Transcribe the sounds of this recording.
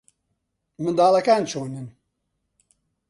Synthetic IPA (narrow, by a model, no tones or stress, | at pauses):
mɨnd̪aːlakaːnt͡ʃʰoːnən